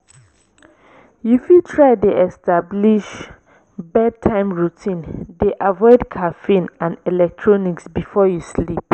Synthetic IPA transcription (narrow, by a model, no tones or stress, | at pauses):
jufutʰɹaɪdeɛstabliʃ | bɛd̚tʰãɪ̃mɹutʰĩndeʔavɔɪdkʰafĩnãnɛlɛk̚tʰɹɔniksbifɔjuslip